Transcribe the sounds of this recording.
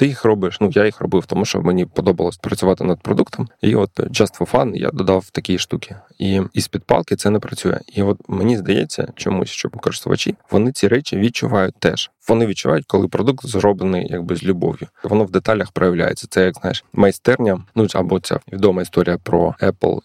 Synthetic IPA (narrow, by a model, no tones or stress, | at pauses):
t̪ɪjixrɔbɪʃnujajixrɔ̰bɪwt̪ɔmuʃt͡ʃɔ̰menʲipɔd̪ɔbɐlˠɔsʲpɾɐt͡sʲʊʋɑt̪ɪnɐd̪̚pɾɔd̪ukt̪ɔmḭɔt̪t͡ʃast̪ʋɔfɑnja̰d̪ɔd̪ɑwt̪ɐkʲijiʃt̪ukʲi | iispʲid̪̚pɑ̰lˠkɪt̪sɛnɛpɾɐt͡sʲujɛ̰iɔt̪menʲizd̪ɐjḛt͡sʲːɐ̰t͡ʃɔmṵsʲʃt͡ʃɔbkɔɾɨst̪ʊʋɐ̰t͡ʃʲiʋɔnɪt͡sʲiɾɛt͡ʃʲiʋʲit͡ʃʊʋɑjʊt̚ʲt̪ɛʃ | ʋɔnɪʋʲid̚t͡ʃʊʋʔa̰jʊtʲkɔlˠɪpɾɔd̪uk̚t̪zrɔblˠenɨjja̰ɡ̚bɪzʲlʲʊbɔ̰ʋjʊʋɔnɔʋd̪et̪ɑlʲɐxpɾɔjɐʋlʲa̰jet͡sʲːɐ̥t̪sɛjaɡznɑjeʃmɐjst̪ɛrnʲɐnuɐ̰bɔt͡sʲa̰ʋʲid̪ɔmɐist̪ɔɾʲijɐpɾɔ̰ɛplˠ